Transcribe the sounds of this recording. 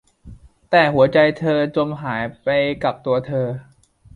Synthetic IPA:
t̪ɛː˨˩ɦu˩˦ɐt͡ɕa˧jt̪ʰɤː˧t͡ɕo˧mɦaː˩˦jpa˧jka˨˩p̚t̪u˧ɐt̪ʰɤː˧

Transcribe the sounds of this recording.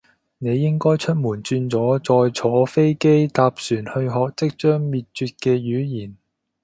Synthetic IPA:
ne˨˧jːɪ˥ŋkɔː˥jt͡ʃʰɵ˥t̚muː˨˩nt͡ʃyː˧nt͡sɔː˨˥t͡sɔː˧jt͡sʰɔː˨˥fe˥jke˥jt̪aː˨˧p̚syː˨˩nhɵ˧ɥɦɔː˨k̚t͡sɪ˥k̚t͡ʃœː˥ŋmiː˨t̚t͡ʃyː˧t̚kɛː˧jyː˨˥jiː˨˩n

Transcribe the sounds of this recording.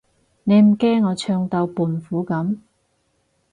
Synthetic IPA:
ne˨˧jm̩˨˩kɛː˥ŋːɔː˨˧t͡ʃʰœː˧ŋt̪ɐ˧wpuː˨˩nfuː˨˥kɐ˨˥m

